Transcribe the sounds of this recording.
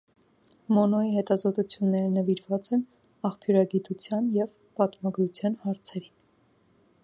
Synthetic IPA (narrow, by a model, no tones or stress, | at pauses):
mɔnɔiɦɛt̪ɑzɔt̪ut͡sʰjunːɛɾənəviɾvɑt͡sɛn | ɑχpʰjuɾɑɡit̪ut͡sʰjɑnjɛv | pɑt̪mɑɡɾut͡sʰjɑnhɑɾt͡sʰɛɾin